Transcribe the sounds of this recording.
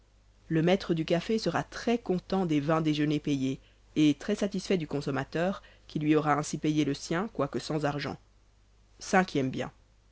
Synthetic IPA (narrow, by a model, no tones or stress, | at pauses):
ləmɛt̪χəd̪ykafesəʁat̪χɛkɔ̃t̪ɑ̃d̪evɛ̃d̪eʒənepejeː | t̪χɛsat̪isfɛd̪ykɔ̃sɔmat̪œːʁ | kʲilɥiɔʁaɛ̃sipejeləsjɛ̃kwakəsɑ̃zaʁʒɑ̰̃ | sɛ̃kʲʰjɛmbjɛ̰̃